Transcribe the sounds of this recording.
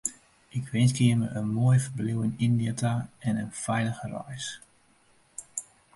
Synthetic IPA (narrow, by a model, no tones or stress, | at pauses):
ʔɪkʋɪnsɡiəməʔənmoəjfərbliwɪnindiətaɛnənfɛjləɣərɔ̰js